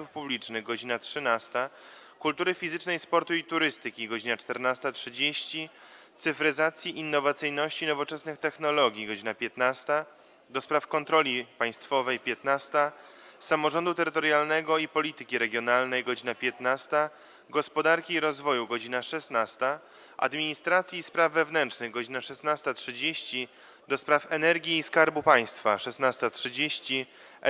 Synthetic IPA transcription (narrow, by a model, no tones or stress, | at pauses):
ufpublʲit͡ʂnɘɣɡɔd͡ʑinatʂɘnast̪a | kult̪uɾɘfʲizɘt͡ʂnɛjspɔɾt̪uit̪uɾɘst̪ɘkʲiɡɔd͡ʑinat͡ʂt̪ɛɾnast̪atʂɘd͡ʑeɕt͡ɕi | t̪sɘfɾɘzat̪sʲjiʔːnːɔvat̪sɘjnɔɕt͡ɕinɔvɔt͡ʂɛsnɘxt̪ɛxnɔlɔɡʲiɡɔd͡ʑinapʲjɛt̪nast̪a | d̪ɔspɾafkɔnt̪ɾɔlʲipaj̃st̪fɔvɛjpʲjɛt̪nast̪a | samɔʐɔnd̪ut̪ɛɾɘt̪ɔɾjalnɛɡɔipɔlʲit̪ɘkʲiɾɛɡʲjɔnalnɛjɡɔd͡ʑinapʲjɛt̪nast̪a | ɡɔspɔd̪aɾkʲiːɾɔzvɔjuɡɔd͡ʑinaʂɛsnast̪a | ʔa̰d̪mʲiɲist̪ɾat̪sʲjiːspɾavːɛvnɛnt͡ʂnɘɣɡɔd͡ʑinaʂɛsnast̪atʂɘd͡ʑeɕt͡ɕi | d̪ɔspɾafɛnɛɾɡʲiːskaɾbupaj̃st̪faʂɛsnast̪atʂɘd͡ʑeɕt͡ɕi